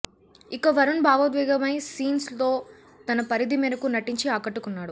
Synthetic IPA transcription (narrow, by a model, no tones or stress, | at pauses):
ikɐʋɐɾɐnbʱaːʋɐd̪ʋɛːɡɐmɐjsiːnst̪o̞ː | t̪ɐnɐpɐɾid̪imiːɾɐkunɐʈiɲt͡ʃiaːkɐʈːukunːaːɽu